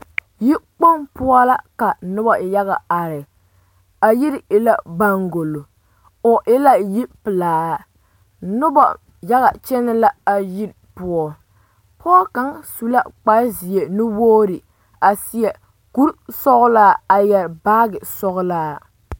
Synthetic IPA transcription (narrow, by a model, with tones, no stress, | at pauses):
ji˦k͡po˦ŋpʊ˦ɔ˦la˦ka˨nʊ˦bɔ˨ja˦ɣa˨a˨ɾɪ˨ | a˨ji˦ɾɪ˨la˦ba˦ŋɡo˨lo˨ | ʊ˨ʔɪ˦la˦ji˦pɨ˨laː˨ | nʊ˦bɔ̰˨ | ja˦ɣa˨t͡ʃɛ˦nɪ˦la˦a˨ji˦ɾ | pʊ˦ɔ˦ | pʰɔː˦ka˨˦ŋsu˨la̰˦k͡pa˦zi˨e˨nɪ˦woː˦ɾi˨ | a˨sɪ˦jɛ˨ | ku˦ɾsɔ˦ɣʊ˦laː˦a˨jɛ˨ɾbaː˦ɡɪ˨sɔ˦ɣʊ˦laː˦